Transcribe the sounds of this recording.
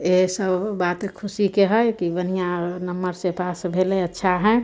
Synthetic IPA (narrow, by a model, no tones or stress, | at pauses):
esəbːat̪kʰʊsikeɦəjkibənijanəmːəɾsepasbʱeleətːʃʰaɦɛ